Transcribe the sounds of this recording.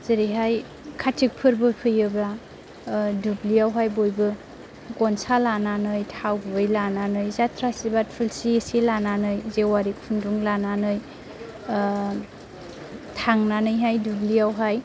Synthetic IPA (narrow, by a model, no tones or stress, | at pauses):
z̥iɾiɦaj | kʰatʰik̚pʰɯɾbɯpʰɯjɯbɾa | dubliawɦajbojbɯ | ɡɔnsalananɯjtʰawbɯjlananɯjzatʰɾasibat̚pʰɯlsiesilananɯjzewaɾik̚pʰunduŋlananɯj | tʰaŋnanɯjɦajdubliawɦaj